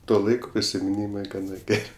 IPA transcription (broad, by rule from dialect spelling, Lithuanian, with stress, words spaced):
ˈtoː ˈlˠɐɪkoː pʲrʲɪsʲɪmʲɪˈnʲiːmɐɪ ɡɐˈnɐ ˈɡʲɛrʲ